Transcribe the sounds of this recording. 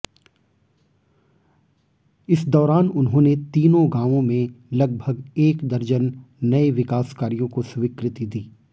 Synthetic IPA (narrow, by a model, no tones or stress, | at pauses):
ɪsd̪ɔːɾaːnʊnɦõːnet̪iːnõɡãːʋõmẽlɐɡ̚bʱəɡeːkd̪ɐɾd͡ʒənː | ɐeʋɪkaːskaːɾijõkosʋiːkɾɪt̪id̪iː